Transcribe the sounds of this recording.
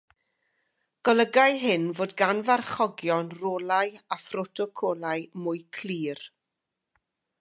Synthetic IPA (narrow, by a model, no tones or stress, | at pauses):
ɡ̥ɔlˠəɡajɦɨnvoːdɡanvarχɔɡjɔnroːlˠajafrɔtʰɔkʰɔːlˠajmʊjkʰliːr